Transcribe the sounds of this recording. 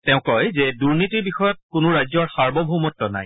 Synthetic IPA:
tɛʊ̃kɔjzɛduɹnitiɹbixɔjɔt̚kʊnʊɹajzɔɹxaɹbɔbʱumɔtːɔna̰j

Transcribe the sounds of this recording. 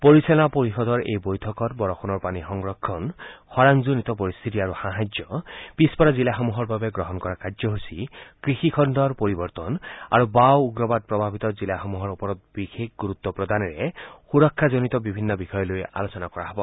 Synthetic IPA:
poɹisɔlapoɹixɔd̪ɔɹḛjbojtʰɔkɔtbɔɹɔxʰɔnɔɹpanixɔŋɹɔkʰːɔnxɔɹaŋzunit̪ɔpoɹist̪ʰitiaɹuxaɦad͡ʒɔb̥ispɔɾazilaxɔmuɦɔɹbabɛɡɹɔɦɔnkɔɹakad͡ʒzɔɦusikɹixikʰɔndɔɹpoɹibɔɹt̪ɔna̰ɹubawuɡɹɔbad̚pɹɔbʱabit̪ɔzilaxɔmuɦɔɹupɔɹɔt̚bixekɡuɾut̪ːɔpɹɔd̪anɛɹɛxuɹɔkʰːazɔnitɔbibʱinːɔbixɔjɔloja̰losɔnakɔɹaɦɔbɔ

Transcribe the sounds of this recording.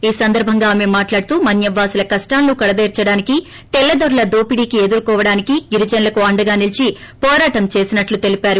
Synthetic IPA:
iːsɐnd̪ɐɾbʱɐŋɡaːme̞maːʈlaːɽut̪uːmɐnjɐʋːaːsilɐkɐsʈaːnːukɐɽɐd̪eːɾt͡ʃɐɽaːniki | t̪ɛlːɐd̪ɐɾulɐd̪oːpiɽiːkied̪uɾukɔːʋɐɽaːnikiɡiɾid͡ʒɐnlɐkuɐɳɖɐɡaːnilit͡ʃipɔːɾaːʈɐmt͡ʃe̞ːsinɐʈlut̪e̞lipaːɾu

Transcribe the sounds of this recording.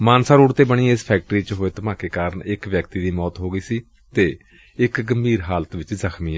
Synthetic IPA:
maːnsaːɾuːɽt̪eːbəɽ̃iːɪspʰɛːk̚ʈɾiːt͡ʃɦoːeːt̪əmãːkeːkaːɾəɳɪkʋjəkt̪iːd̪iːmɔːt̪ɦoːɡəiːsiː | t̪eː | ɪkɡəmbiːɾɦaːlt̪ʋɪt͡ʃzəkʰmiːɛ

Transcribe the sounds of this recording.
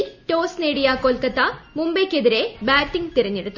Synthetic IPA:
lʈo̞ːsneːɽijaːkoːlkɐt̪ːɐmumbeːkʲːeðiɾe̞baːʈːiŋɡt̪irɐɲːeɽut̪ː

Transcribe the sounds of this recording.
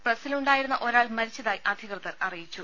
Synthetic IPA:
prɐsiluɳɖaːjiɾunːɐʔo̞ɾaːɭmɐɾit͡ɕːɐðaːjiʔɐd̪ʱikrɨt̪ːɐɾɐrijit͡ɕːu

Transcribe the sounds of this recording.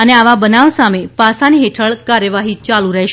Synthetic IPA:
əneaʋabənaʋsamepasaniɦeʈʰəɭkaɾjəʋaɦit͡ʃalũɾəɦʃ

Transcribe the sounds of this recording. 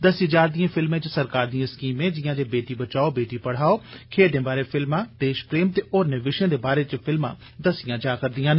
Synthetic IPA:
d̪əsĩd͡ʒaːɾd̪ijãːpʰɪlmẽːt͡ʃəsəɾkaːɾd̪ijãːskiːmẽːd͡ʒɪjãːd͡ʒeːbeːʈiːbət͡ʃaːoːbeːʈiːpəɽ̤aːoːkʰeːɖẽːbaːɾeːfʰɪlmãːd̪̥eːʃpɾeːmt̪eːʔoːɾneːʋɪʃẽːd̪eːbaːɾeːt͡ʃpʰɪlmã̰ː | d̪əsɪjãːd͡ʒaːkəɾd̪ɪjãːn

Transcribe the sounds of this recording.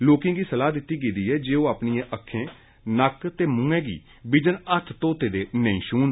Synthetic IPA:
loːkɪ̃ŋɡiːsəlaːd̪ɪt̪ːiːɡiːd̪iːɛːd͡ʒeːoːaːpniːẽʔəkʰːẽː | nəkt̪eːmũːɛ̃ːɡḭː | bɪd͡ʒənət̪ʰt̪oːt̪eːd̪eːnəḭ̃ːʃuːn

